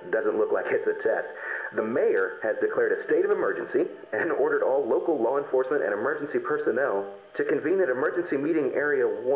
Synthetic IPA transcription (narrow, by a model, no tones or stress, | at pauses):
d̥ʌzə̃nʔlʊklaɪkɨtsɨtʰɛstðəmeɪə˞ɨzdɨkʰl̥ɛɹɾɨsteɪɾʌvɨmɜ˞d͡ʒɨ̃nsi | ɨ̃nɔɹɾə˞ɾɔlˠloʊkl̩ˠlɔə̃ɱfɔɹsmɨ̃ñɨ̰̃ɾ̃ɨmɜ˞d͡ʒn̩sipʰə˞sɨnɛlˠ | tʰɨkɨ̃ɱvĩnðɨɾɨmɜ˞d͡ʒɨ̃n̩simiɾɪ̃ŋʔɛɹiɨ